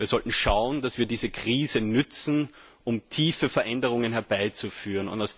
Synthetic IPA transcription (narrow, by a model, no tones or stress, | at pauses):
iːɐz̥ɔltn̩ʃaʊəndasv̥iːɐdiːzəkʁ̥iːzənʏt͡sn̩ | ʔʊmtʰiːfəfɛɐʔɛndəʁʊŋənhɛɐbaɪt͡sufyːʁənʊ̰ntaʊs